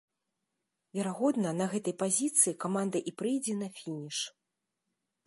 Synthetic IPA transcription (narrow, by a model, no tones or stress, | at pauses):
vʲɛɾaɣɔd̪nɐnɐɣɛt̪ɐjpazʲit̪sɨjikamand̪ɐʔipɾɨjd͡zʲɛnɐfʲinʲiʂ